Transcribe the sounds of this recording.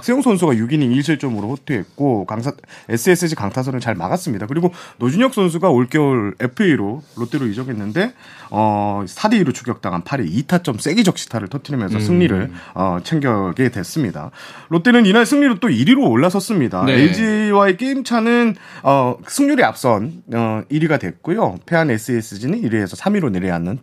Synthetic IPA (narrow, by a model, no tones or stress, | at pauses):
ak̚s͈ejoŋsʰonsʰuɡajuɡiɲimiɭɕʰiɭt͡ɕ͈ʌmɯɾoɸʰotʰeet̚k͈okaŋʰes͈ʰɯes͈ʰɯɕʰikaŋtʰas̬ʰʌnɯnt͡ɕaɭma̰ɡas͈ɯmɲidakɯɾiɡonod͡ʑuɲʌk̚s͈ʰons̬ʰuɡaoɭk͈jʌɭe̞pʰɯeiɾoːot͈eɾoid͡ʑʌɡenːɯnde̞ | ʌsʰadeiɾot͡ɕʰuɡjʌk̚t͈aŋɦanpʰaɾiitʰat͡ɕ͈ʌms͈e̞ɡid͡ʑʌk̚ɕ͈ʰi̥tʰaɾɯɭtʰʌtʰɯɾmjʌnsʰʌsʰɯŋɲiɾɯɭʌt͡ɕʰe̞ŋɡjʌɡe̞dwe̞s͈ɯmɲida̰ | ɾot͈enɯninaɭsʰɯŋɲiɾot͈oiɾiɾoːɭːasʰʌs͈ɯmɲidaed͡ʑiwaek͈eimt͡ɕʰanɯn | ʌsʰɯŋɲuɾia̰p̚s͈ʌnʌiɾiɡadwe̞k͈ojopʰe̞ane̞s͈ʰɯes͈ɯd͡ʑinɯniɾiesʰʌsʰamiɾoneɾea̰nːɯn